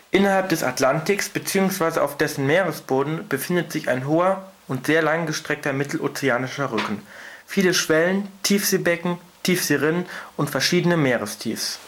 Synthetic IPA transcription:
ʔɪnɐhalp̚d̥ɛsa̰tlantɪksb̥ət͡siːʊŋsv̥aɪzəʔa̰ʊfd̥ɛsn̩meːʁəsb̥oːdn̩b̥əfɪndətz̥ɪça̰ɪnɦoːɐ | ʊntz̥eːɐlaŋɡəʃtʁ̥ɛk̚tɐmɪtl̩ʔo̰ːt͡sɛaːnɪʃɐʁʏkn̩fiːləʃv̥ɛləntʰiːfz̥eːbɛkŋ̩tʰiːfz̥eːʁɪnənʔʊntfɛɐʃiːdənəmeːʁəstʰḭːfs

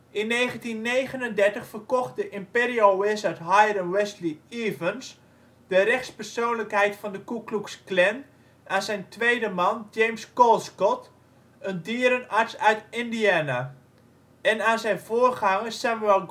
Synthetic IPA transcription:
ʔɪnːeːχəntinːeːɣənəndɛɹtəχfərkɔχt̚dəʔɪmpeːriowɪsœtɦajrənwɛsliivəns | dəɾɛxtspərsoːnləkɦɛjtfɑndəkukluksklɛn | aːnzɛjntʋejdəmɑnd͡ʒejmskɔlˠskɔt | əndiəɾənaɹtsœɥtɪndiaːna | ɛnaːnzɛjnvoːrχaŋəssamuɛlˠ

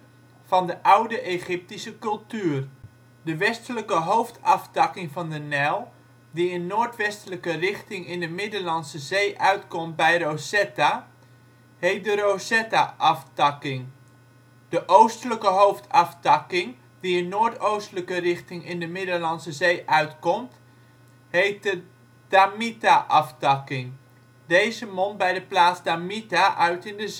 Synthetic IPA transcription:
fɑndəʔawdəʔeχɪp̚tisəkɵlˠtyːr | dəʋɛstələkəɦowftʰɑftɑkɪŋvɑndənɛlˠ | diənːoːtʋɛstələkərɪχtɪŋɪndəmɪdəlɑnsəzeːʔœɥtkɔmt̚bɛjrosɛta | heːt̚dərosɛtaʔɑftɑkɪŋ | d̥əʔowstələkəɦowftʰɑftɑkɪŋ | diənːoːɹtowstələkərɪχtɪŋɪndəmɪdəlɑnsəzejʔœɥtkɔmt | hejt̚də | d̥amitaʔɑftɑkɪŋ | dejzəmɔnbɛjdəplaːzdamitaʔœɥtɪndəz

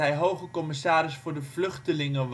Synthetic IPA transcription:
ɛjɦowχəkɔmɪsaːɾɪsfʊːɹdəvlɵχtəlɪŋəʋ

